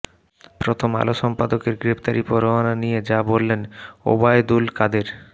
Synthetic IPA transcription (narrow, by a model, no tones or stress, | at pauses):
pɾot̪ʰoma̰loʃɔmpad̪okeɾɡɾept̪aɾipoɾoananijed͡ʑabolːeno̰baed̪ulkad̪eɾ